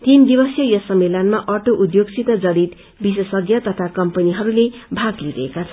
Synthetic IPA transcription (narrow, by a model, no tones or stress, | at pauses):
t̪ind̪ibʌsjʌjʌsʌmːelʌnmaʔʌʈoʔud̪joɡsʰit̪ʌd͡zʌɽit̪ | bisʌsʌɡjʌt̪ʌt̪ʰakʌmpʌniɦʌɾulebʱaɡliɾʌ̰ekat͡sʰʌn